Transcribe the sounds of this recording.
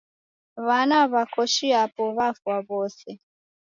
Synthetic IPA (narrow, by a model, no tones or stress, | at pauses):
βanaβakɔʃiapɔβafaβɔsɛ